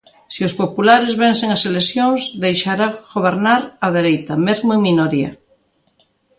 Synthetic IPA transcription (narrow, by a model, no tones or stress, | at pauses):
siospopulaɾezβẽnseŋaselesjõŋzðejʃaɾaɣoβ̞eɾnaɾaðeɾejt̪amezmʊeŋminoɾiɐ̰